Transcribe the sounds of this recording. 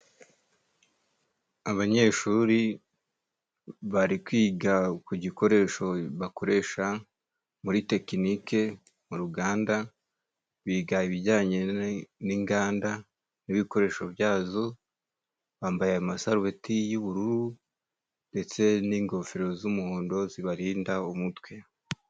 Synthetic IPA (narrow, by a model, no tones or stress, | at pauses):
aβaɲe̞ʃuɾi | βaɾikwiːɡakuɟiko̞ɾe̞ːʃo̞βako̞ɾe̞ːʃa | muɾite̞kinike̞ | muɾuɡaːnda | βiːɡaiβiɟaːɲe̞niŋɡaːnda | niβiko̞ɾe̞ːʃoβjaːzo̞ | βaːmbajeamasaɾuwetijuβuɾuɾu | nde̞t͡se̞niŋɡo̞fiɾo̞zumuhoːndo̞ziβaɾiːndaumutwe